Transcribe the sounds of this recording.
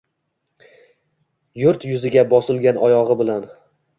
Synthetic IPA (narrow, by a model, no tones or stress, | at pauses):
jʊɾt̪jʊzɪɡʲabɒsɪlˠɡʲanʔɒjɒʁɨbɪlan